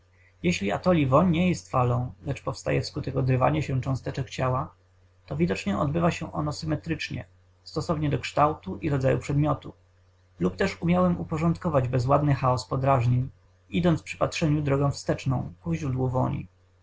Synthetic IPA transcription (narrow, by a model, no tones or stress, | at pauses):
jeɕlʲia̰t̪ɔlʲivɔɲɲɛjɛst̪falɔ̃w̃lɛt͡ʂpɔfst̪a̰jɛfskut̪ɛkɔd̪ɾɘva̰ɲɛɕɛt͡ʂɔ̃w̃st̪ɛt͡ʂɛkt͡ɕawa | t̪ɔvʲid̪ɔt͡ʂɲɛɔ̰d̪bɘvaɕɛʔɔnɔsɘmɛt̪ɾɘt͡ʂɲɛ̰ | st̪ɔsɔvɲɛd̪ɔkʂt̪awt̪uʔiɾɔd̪zajupʂɛd̪mʲjɔt̪ṵ | lupt̪ɛʂumʲjawɛmupɔʐɔ̃nt̪kɔvad͡ʑbɛzwad̪nɘxaɔspɔd̪ɾaʐɲeɲ | id̪ɔnt̪pʂɘ̥patʂɛɲud̪ɾɔɡɔ̃w̃fst̪ɛt͡ʂnɔ̰̃w̃kuʑɾud̪wuvɔ̰ɲḭ